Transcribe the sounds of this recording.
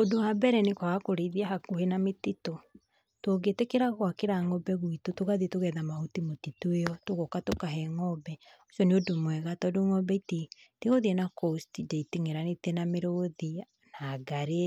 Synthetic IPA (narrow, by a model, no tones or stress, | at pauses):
odoabɛɾɛnekwaɣakoɾeðiaɦakohenametito | twoɡetekeɾaɣwakeɾaŋɔbɛɣwitotoɣaðetoɣɛðamahotimotitoeɔtoɣɔkatokaɦɛŋɔbɛoʃjɔneodomwɛɣatɔdoŋɔbɛiteteɣoðiɛnakostidaiteŋeɾanetenameɾoði | naːɡaɾe